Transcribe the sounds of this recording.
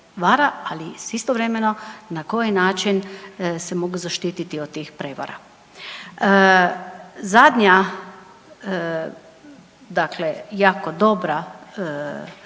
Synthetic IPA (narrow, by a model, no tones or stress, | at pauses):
ʋaːɾaalisist̪oʋɾe̞meno̞nako̞jinaːt͡ʃinsemoɡuzaʃt̪iːt̪it̪iot̪t̪iːxpɾeʋa̰ɾa̰ | ə | zad̪ɲa | d̪aklejaːkod̪o̞bɾa